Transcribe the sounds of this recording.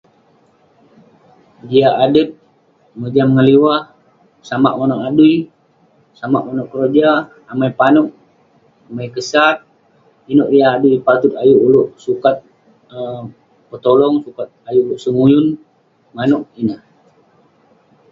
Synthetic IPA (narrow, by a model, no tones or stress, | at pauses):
d͡ʒiaʔadət̪̚ | məd͡ʒamŋəliwa | sama̰ʔmonɔʔadui | sama̰ʔmonɔʔkɾod͡ʒaː | majpanɔk̚ | amajkəsat̪̚ | inɔʔijaːduipat̪ʊt̪̚ajuʔulʊʔsukat̪̚ | ə | pət̪olɔŋsukat̪̚ajuʔuluʔsəŋujʊn | manuʔ̚inah